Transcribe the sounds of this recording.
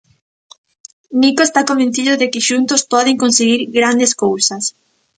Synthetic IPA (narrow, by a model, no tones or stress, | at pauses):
nikoest̪akõmbẽn̟θiðʊðɪkɪʃunt̪ʊspɔðeŋkõnseɣiɾɣɾand̪eskowsɐs